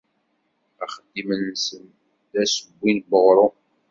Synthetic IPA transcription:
æχəd̪ːimənsən | dæsəbʷːinbəʁɾˤo

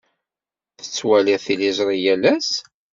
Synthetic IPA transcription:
θə̥t͡sːwæliθilizˤɾˤijælæs

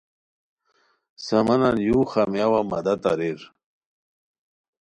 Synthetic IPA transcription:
sɐmɐnanjuxamjawamɐ̰d̪at̪a̰ɾiɾ

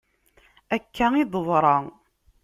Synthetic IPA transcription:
ækʰːæid̪ˤəðˤɾˤɑ

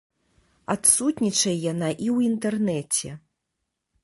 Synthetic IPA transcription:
at̪sut̪nʲit͡ʂɐjjanaʔiwint̪ɛrnɛt͡sʲɛ

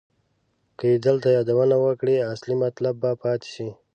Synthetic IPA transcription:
kəid̪əlt̪ajɑd̪awənawəkɽiaslimat̪labːapɑt̪e̥ʃi

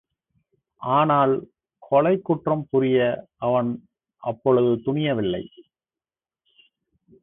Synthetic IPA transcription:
ʔaːnaːl | kʰɔɭɐɪkːʊʈrɐmpʊɾɪjɐʔɐʋɐn | ʔɐpːɔɭɯðɯt̪ʊɳɪjɐʋɪlːɐɪ

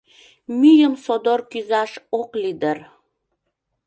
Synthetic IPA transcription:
myjəmsod̪orkyzɑʃoklid̪ər

